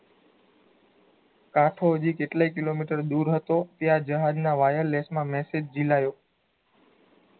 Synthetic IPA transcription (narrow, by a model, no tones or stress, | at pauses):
kãʈʰoəd͡ʒikeʈlaikilomiʈəɾd̪uɾɦət̪ot̪jad͡ʒəɦad͡ʒnaʋajəɾlesmãmɛsed͡ʒd͡ʒilajo